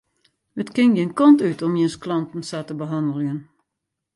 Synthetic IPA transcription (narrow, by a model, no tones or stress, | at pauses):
ətkɪŋjɪnkɔntytʰɔmjɪnsklɑntn̩satəbəɦɑndəlˠən